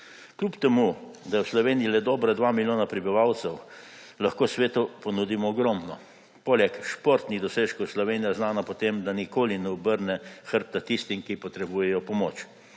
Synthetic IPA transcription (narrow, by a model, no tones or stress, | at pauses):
klʲupt̪ɛmud̪ajɛwslɔʋeːnijilɛd̪ɔːbɾad̪ʋaːmiljoːnapɾibiʋawt̪sɛw | lɐxkoːsʋeːt̪upɔnud̪imɔɔɡɾɔmnɔ̰ | polɛkʃpoɾt̪nid̪ɔseːʃkowslɔʋeːnijaznaːnapɔt̪emd̪anikoːlinɛɔbəɾnɛxəɾt̪at̪ist̪imkipɔt̪ɾɛbuːjɛjɔpɔmoːt͡ʃ